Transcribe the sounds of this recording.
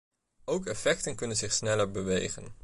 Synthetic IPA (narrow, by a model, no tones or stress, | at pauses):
owkɛfɛk̚tənkɵnənzɪχsnɛləɹbəʋejχə̰n